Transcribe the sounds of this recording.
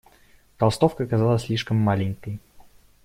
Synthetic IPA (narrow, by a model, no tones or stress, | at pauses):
t̪ɐlˠst̪ofkəːkazalˠəsʲlʲiʂkəmːalʲɪŋʲkəj